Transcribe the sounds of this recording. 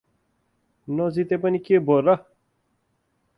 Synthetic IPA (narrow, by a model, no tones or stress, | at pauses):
nozit̪epənikebʱoɾa